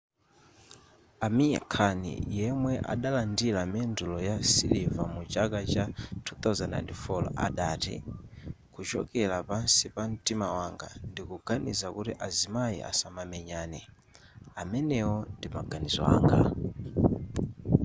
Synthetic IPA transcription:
amija̰kʰanḭjɛmwɛʔa̰ɗalandilamɛndulɔjasilivamut͡ʃakat͡ʃatʰuθauzɛna̰jntifɔlɔ̰a̰ɗaːtḭ | kut͡ʃɔ̰kɛlapansipan̩timawaŋɡa̰ndikuɡanḭzakutiʔazimaḭʔa̰samamɛɲaːnɛ | amɛnɛwɔndimaɡanizɔa̰ːŋɡa̰

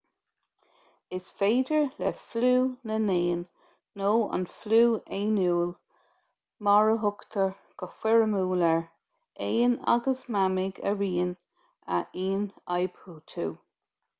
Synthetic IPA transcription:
ɪsfeːdəɹlɛfluːnəneːnː | oːə̰nfluːeːnuːl | mɔɹəɦʊkt̪ʰəɹ | ɡ̥əxwɛɹəmuːləɹ | eːna̰ɡəsmamɪɡə̰ɹiːn | ə̰ʔiːnajbhuːt̪ʰuː

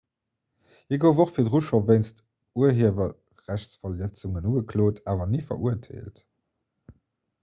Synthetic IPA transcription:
hiəɡəʊvoχfiːɐdʁuʃɐveɪnst | uɐɦiəvɐ | ʁæɕsfɐlət͡suŋənuːɡəkʰloːtʰaːvɐnifɐ̰ʔuəɐtʰḛːlt

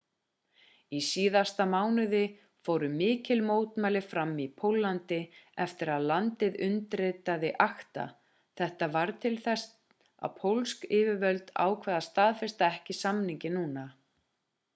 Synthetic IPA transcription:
isiːðast̪amaːwnʏðɪ | foːwɾʏmɪːcɪlmoːwt̪maːjlɪfɾamːipʰowlːant̪ɪɛft̪ɪɾaðlant̪ɪðʏnt̪ɾeːt̪aðɪʔaxt̪a̰ | θɛht̪avaɾt̪ʰɪlθɛst̪ | a̰ðpʰowlskɪːvɪvœlt̪a̰ːwkʰvɛːðast̪aːðfɛst̪aɛhcɪsamniɲcɪnuːna

